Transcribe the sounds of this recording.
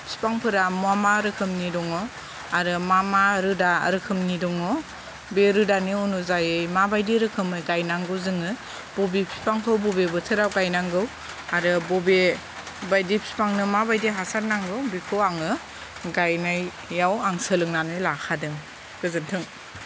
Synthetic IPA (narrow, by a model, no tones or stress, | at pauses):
pʰsi̥paŋpʰɯɾamuamaɾɯkʰɯmnidɔŋɔ | aɾɯmamaɾɯda̰ɾɯkʰɯmnidɔŋɔ | beɾɯdaniunuzajɯjmabajdiɾɯkʰɯmɯjɡajnaŋɡɯwzɯŋɯ | b̥ɔbipʰsi̥paŋpʰɯwbɔbebɯtʰɯɾawɡajnaŋɡɯw | aɾɯbɔbe | bajdipʰsi̥paŋnɯmabajdiɦasaɾnaŋɡɯwbikʰɯaŋɯ | ɡajnajː | awaŋsɯlɯŋnanɯlakʰadɯŋ | ɡ̥ɯzɯntʰɯŋ